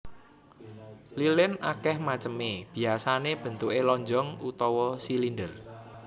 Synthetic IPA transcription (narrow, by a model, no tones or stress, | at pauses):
lilɪnʔakɛhmat͡ʃəmeb̥i̤asaneb̥ə̤nt̪uʔelɔɲd͡ʒɔŋut̪ɔwɔsilindər